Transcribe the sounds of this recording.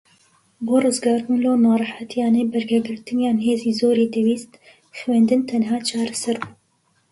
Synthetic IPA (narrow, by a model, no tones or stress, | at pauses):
boːrɨzɡɑːɾbunloːnɑːrˤɨħat̪ʰijɑːneːbɛɾɡɛɡɨɾt̪ɨnjɑːnɦeːziːzoːɾiːd̪ɛwiːst̪ | xwɛnd̪ɨnt̪ʰɛnɦɑːt͡ʃʰɑːɾɛsɛɾbuː